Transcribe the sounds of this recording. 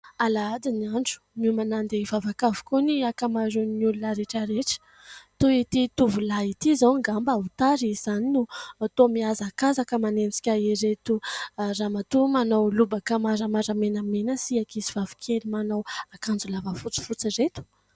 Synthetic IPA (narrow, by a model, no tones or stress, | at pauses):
alaad̪iniaɳɖ͡ʐu̥mimanand̪evavakavu̥kuniakamaɾunnulunaɾeʈ͡ʂəɾeʈ͡ʂə̥ | t̪uit̪it̪uvulait̪izawŋɡambaut̪aɾiz̥aninut̪omiazakazakəmanent͡si̥kʲaiɾet̪uramat̪umanowlubakamaɾəmaɾamenamenəsiakisiv̥avi̥kʲʰelimanawakand͡zulavəfut͡si̥fut͡siret̪u̥